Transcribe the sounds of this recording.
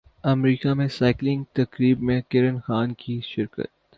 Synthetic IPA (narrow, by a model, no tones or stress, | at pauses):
ɐmɾiːkamẽsaːɪklɪ̃ŋɡ̚t̪ɐkɾiːbmẽkɪɾənxaːnkʰiʃɪɾkə̰t̪